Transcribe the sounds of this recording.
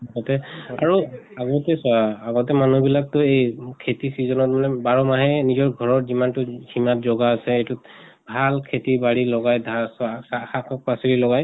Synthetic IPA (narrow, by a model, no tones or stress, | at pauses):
aɡɔtɛa̰ɹuaɡɔtɛsɔaaɡɔtɛmanubilak̚tʊejkʰetisizɔnɔt̚manɛbaɹɔmaɦɛnizɔɹɡʱɔɹɔtzimantʊɡimatzɔɡaːsɛejtu | bʱalkʰetibaɹilɔɡajdʱasasaxakʰɔk̚pasiɹilɔɡaj